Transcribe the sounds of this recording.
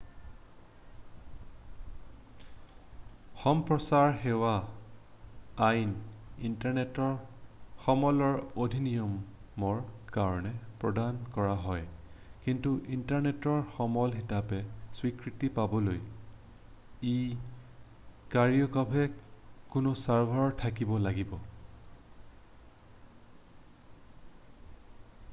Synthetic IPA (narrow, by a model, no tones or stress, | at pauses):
xɔmpɹɔsaɹxewa | jnintaɹnetɔɹxɔmɔlɔɹodʱinijɔm | ɔɹkaɹɔnɛpɹɔdankɔɹaɦɔjkintuʔintaɹnɛtɔɹxɔmɔlɦitapɛswikɹitipabɔloj | i | kaɹiɔkabʱɛkʊnʊsaɹbʱaɹɔtʰakibɔlaɡibɔ